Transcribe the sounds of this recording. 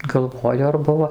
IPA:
ɡɐlˠˈʋoːjʊ ɐr ˈbʊʋoː

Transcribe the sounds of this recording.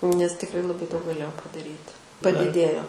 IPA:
nʲɛs tʲɪkˈrɐɪ lˠɐˈbɐɪ dɐʊk ɡɐˈlʲeːjɛʊ pɐdɐˈrʲiːtʲɪ pɐdʲɪˈdʲeːjoː

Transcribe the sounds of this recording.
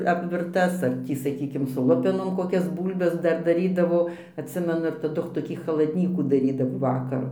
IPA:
ɐpʲʋʲɪrˈtɐs ɐr ˈtʲiː sɐˈkʲiːkʲɪm sʊ ˈlˠʊpʲɛnoːm koːˈkʲɛs ˈbuːlʲbʲɛs ˈdɐr dɐˈrʲiːdɐʋoː ɐtʲˈsʲɪmʲɛnʊ ɪr tɐˈdʊ toːˈkʲiː xɐlˠɐdʲˈnʲiːkuː dɐˈrʲiːdɐʋoː ˈʋɑːkɐrʊ

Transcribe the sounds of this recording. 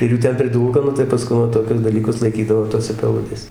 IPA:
ɪr ˈjuː ˈtʲɛn pʲrʲɪˈduːlˠkɐ nʊ tɐɪ pɐˈskʊn ʋɐ toːˈkʲʊs dɐˈlʲiːkʊs lˠɐɪˈkʲiːdɐʋoː ˈtoːsʲɛ pʲɛˈlˠʊdʲeːsʲɛ

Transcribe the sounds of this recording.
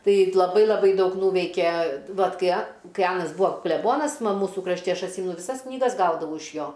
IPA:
tɐɪ lˠɐˈbɐɪ lˠɐˈbɐɪ ˈdɐʊk ˈnuːʋʲɛɪkʲeː ˈʋɐt ˈkɐɪ ɐ ˈkɐɪ ˈɑːnɐs ˈbuːɐ klʲɛˈboːnɐs ˈmɐ ˈmuːsʊ krɐʃʲˈtʲɪ ˈɐʃ ɐtʲˈsʲiːmʲɛnʊ ʋʲɪˈsɐs knʲiːˈɡɐs ˈɡɐʊdɐʋɐʊ ɪʃ ˈjoː

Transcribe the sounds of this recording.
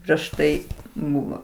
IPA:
pʲrʲiɛʃ ˈtɐɪ ˈbʊʋoː

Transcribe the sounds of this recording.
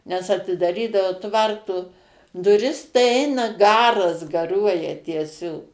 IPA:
nʲɛs ɐtʲɪdɐˈrʲiːdɐʋoː ˈtʋɐrtoː dʊˈrʲɪs tɐɪ ˈɛɪnɐ ˈɡɑːrɐs ɡɐˈruɔjɛ tʲiɛˈsʲoːk

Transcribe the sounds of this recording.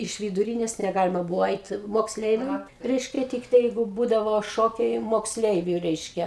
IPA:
ɪʃ ʋʲɪdʊˈrʲiːnʲeːs nʲɛˈɡɑːlʲɪmɐ ˈbʊʋoː ˈɐɪt moːksʲˈlʲɛɪʋʲɛm ˈrʲɛɪʃʲkʲɛ ˈtʲɪktɐɪ ˈjɛɪɡʊ ˈbuːdɐʋoː ˈʃoːkʲɛɪ moːksʲˈlʲɛɪʋʲʊ ˈrʲɛɪʃʲkʲɛ

